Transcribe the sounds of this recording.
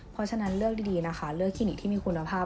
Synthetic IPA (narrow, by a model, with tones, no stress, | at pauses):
pʰɾɔ˧˥t͡ɕʰa˧na˦˥nlɯ˥˩ək̚iː˧diː˧na˦˥kʰa˦˥lɯ˥˩k̚ʰːiː˧˥˩ni˨˩t̪ʰiː˥˩mːiː˧˩kʰu˧nːa˧pʰaː˥˩